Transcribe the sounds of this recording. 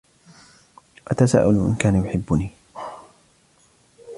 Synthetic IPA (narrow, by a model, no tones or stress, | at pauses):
ʔat̪asa̰ːʔʊlʔɪ̰nkaːnajʊħɪbːʊniː